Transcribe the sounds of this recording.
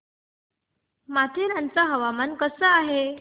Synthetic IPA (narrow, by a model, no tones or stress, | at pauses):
mat̪ʰeɾãnt͡saɦəʋamankəsəaɦe